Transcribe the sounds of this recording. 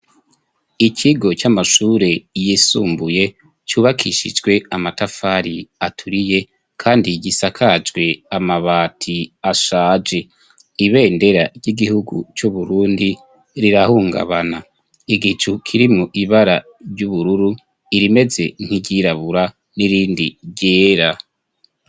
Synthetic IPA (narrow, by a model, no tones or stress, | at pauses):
icʰiɡo̞t͡ʃamaʃuːɾe̞jisuːmbuje̞ | t͡ʃuːβakʰiʃḭd͡ʒɡwe̞amatafaɾiatʰuɾije̞ | kʰaːndiɟisakʰad͡ʒɡwe̞amaβaːtʰiaʃaːd͡ʒe̞ | iβe̞ːnde̞ɾaɟiɡihuɡṵt͡ʃuβuɾuːndi | ɾiɾahuːŋɡa̰βana | iɡit͡ʃukʰiɾimuʔiβaɾa | ɾɟuβuɾuɾu | iɾime̞ze̞̰ŋ̥hiɟiɾaβuɾa | niɾiːndiɟeːɾa